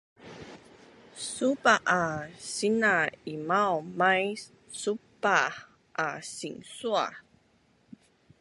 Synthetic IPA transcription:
supaʔasinaimawmaj | supa | ʔasiŋsua̰

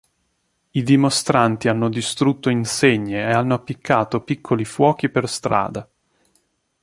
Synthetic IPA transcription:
id̪imost̪ɾant̪ianːod̪ist̪ɾut̪ːoinseɲːeeanːoapːikʰːaːt̪opikʰːolifwɔːk̟iperst̪ɾa̰ːd̪a

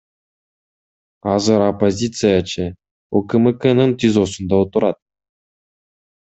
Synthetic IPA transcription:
ɑzɤɾopːozʲit̪sɨjat͡ɕɘ̆ | okɘ̆mɘkɘ̆nɤnt̪ʲizosŭnd̪ɑut̪ɤ̆ɾɑt̪̚

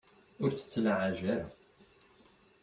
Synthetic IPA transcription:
ʊɾt͡sːə̥t͡sːlaʕaʒæɾa

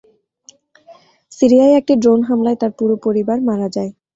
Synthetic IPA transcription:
siɾiaeɛk̚ʈiɖɾonɦamlaet̪aɾpuɾopoɾibaɾmaɾad͡ʑae

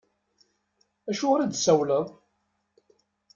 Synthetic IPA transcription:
æʃʊʁɾæd̪sæwləðˤ

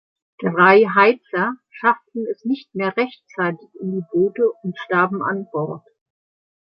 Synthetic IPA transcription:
d̥ʁaɪɦaɪt͡sɐʃaftn̩ɛsnɪçt̚meːɐʁɛçt͡saɪtɪçɪndiːboːtəʊntʃtaːbm̩a̰nbɔɐt

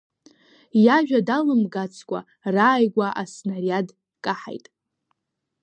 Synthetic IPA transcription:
jaʒᶣadalɨmɡat͡sʰkʷʼa̰ | raːjɡʷaʔasnariad | kʼaħa̰jtʼ

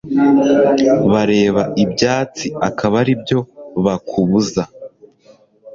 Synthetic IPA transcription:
βaɾe̞ːβaʔibɟaːt͡siakaβaɾibjo̞βakʰuβuza

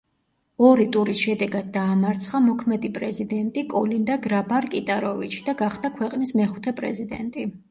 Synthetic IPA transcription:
ɔɾit̪ʼuɾisʃɛd̪ɛɡad̪̚ːaːmaɾt̪sʰχamɔkʰmɛd̪ipʼɾɛzid̪ɛnt̪ʼikʼɔ̰lind̪aɡɾabaɾkʼit̪ʼaɾɔvit͡ʃʰi̥d̪̥aɡaχd̪̥akʰwɛqʼnismɛχu̥t̪ʰɛpʼɾɛ̰zid̪ɛ̰nt̪ʼi

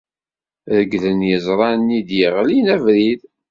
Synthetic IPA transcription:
ðəɡðənjəzˤɾˤɑnːid̪jəʁlinævɾið

